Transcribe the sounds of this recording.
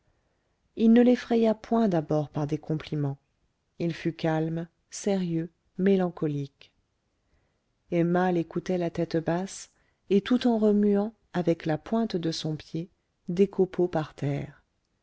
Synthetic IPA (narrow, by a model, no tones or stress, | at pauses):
ilnəlefχɛjapwɛ̃d̪abɔʁpaʁd̪ekɔ̃plimɑ̃ | ilfykalm | seʁjø | melɑ̃kɔlik | ɛmalekut̪ɛlat̪ɛt̪bas | et̪ut̪ɑ̃ʁəmyɑ̃ | avɛklapwɛ̃t̪d̪əsɔ̃pje | d̪ekʰopʰopaʁt̪ɛːʁ